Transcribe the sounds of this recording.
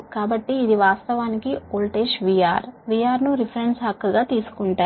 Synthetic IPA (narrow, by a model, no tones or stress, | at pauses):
kaːbɐʈːiːd̪iʋaːst̪ɐʋaːnikioːlʈeːʃʋija̰ːɾʋijaːɾnuɾipʰɐɾeɳɖsɦɐkːɐɡaːt̪iːsu̥kuɳʈaːɾ